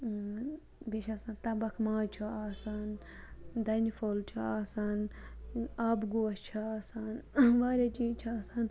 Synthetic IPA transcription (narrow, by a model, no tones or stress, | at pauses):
beʃaːsaːnt̪ɐbɐkʰmãːt͡ʃʰuaːsaːn | d̪ɐnifoːlt͡ʃʰuaːsaːn | aːbɡuːɐt͡ʃʰaaːsaːnʋaːɾʲed͡ʒiːt͡ʃʰuaːsaːn